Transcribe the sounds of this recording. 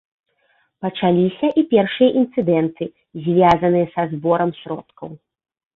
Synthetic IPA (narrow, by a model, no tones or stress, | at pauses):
pɐt͡ʂalʲisʲɐʔipʲɛrʂɨjɐʔint̪sɨd̪ɛnt̪ɨ | zʲvʲazɐnɨjɐsɐzbɔɾɐmsʲɾɔ̰t̪kɐw